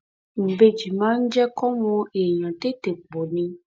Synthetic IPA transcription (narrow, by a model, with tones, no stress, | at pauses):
m̩˨be˦d͡ʒi˨mã˦ŋ̩˦d͡ʒɛ˦kɔ˦mɔ̃˨˦e˨ɲɔ̃˨t̪e˦t̪e˨k͡po˨nĩ˦